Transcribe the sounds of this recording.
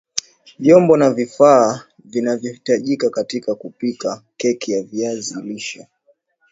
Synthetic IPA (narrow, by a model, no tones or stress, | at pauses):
vjɔmbɔnavifaː | vinavjɔhitaʄikakatikakupikakɛkijaviaziliʃɔ